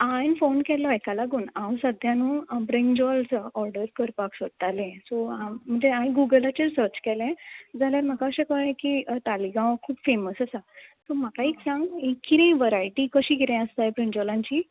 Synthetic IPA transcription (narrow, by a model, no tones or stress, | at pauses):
ãjnfonkɛlɔekalaɡuːnãwsəd̪ʱjãnũːbɾeɲd͡ʑalt͡sɔʔɔɾɖəɾkəɾpaksəd̪̚t̪alɛ̃soamm̤əɳd͡zeãĩɡuɡəlat͡ɕeɾsəɾt͡ɕkɛlɛ̃d͡zʱaljaɾm̤akaəɕẽkəɛ̃kiːt̪aliɡãʋkʰuːpfeməsəsasɔmakaiksãŋɡekːiɾẽiʋəɾajʈikəɕiːɡiɾɛ̃əst̪ajbɾẽɲd͡ʑɔlãɲt͡ɕiː